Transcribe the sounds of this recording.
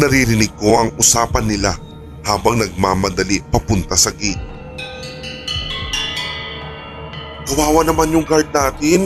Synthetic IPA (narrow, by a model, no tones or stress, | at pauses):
nɐɾiɾɪnɪɡ̚ko̞ʔɐŋʊsaːpɐnːɪla | haːbɐŋnɐɡ̚maːmɐd̪ɐliʔpɐpʊnt̪ɐsɐɡit̪̚ | kɐwaːwɐnɐmanjʊŋɡaɹd̪̚naːk̪ɪn